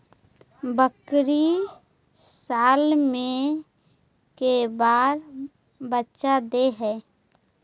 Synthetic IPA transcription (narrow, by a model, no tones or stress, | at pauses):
bəkɾi | saːlmẽ | kebaːɾ | bətːʃad̪eɦɛː